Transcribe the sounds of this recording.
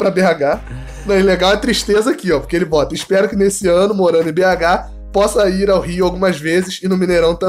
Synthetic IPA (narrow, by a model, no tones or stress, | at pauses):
pɾɐbeaɡa | nɐ̃ɛleɡawɛt̪ɾiʃt̪ezɐakiɔpo̥keelɪbɔt̪ɐɪʃpɛɾʊkɪnesɪɐ̃nʊmoɾɐ̃nd̪ʊɪ̃beaɡa | pɔsɐiɾawɦiʊawɡũmɐzvezɪsɪnʊ̃mĩneɾɐ̃w̃t̪ɐ̃